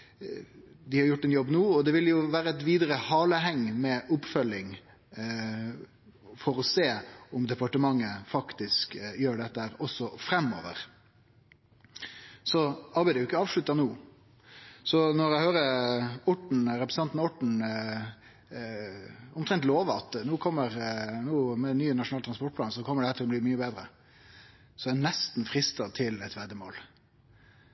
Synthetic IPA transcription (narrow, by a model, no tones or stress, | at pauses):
d̪ɪhɑɾjʊʈːɛnjɔbːnuːɔd̪ɛʋɪljʊʋæːɾəɛt̪ʋiːd̪əɾəhɑːləɦɛŋːmɛʔʊpːfœlːɪŋ | fɔɾɔseːʊmd̪ɛpɑʈəmɑŋːəfɑkt̪ɪskjøːɖɛt̪ːəhæːɾɔsːɔfɾɛmːo̰ːʋə̰ɾ | sɔɑɾbæɪəjʊɪkːəɑːʋʂɭʉt̪ːənuː | sɔnɔɾæɪhøːɾəʊʈɳ̩ɾɛpɾəsn̩ɑnt̪nʊʈɳ̩ | ʊmt̪ʰʁɛnt̪loːʋəɑt̪nuːkʰɔmːəɾnuːmɛnːyːnɑʃʂʊnɑːlt̪ʰɾɑnspɔʈ̚plɑːnsɔkʰɔmːəɖɛhæːɾt̪ʰɪlɔbliːmyːəbeːd̪ɾə | sɔɛnɛst̪n̩fɾɪst̪ɑt̪ʰɪlɛt̪ʋɛd̪əmo̰ːl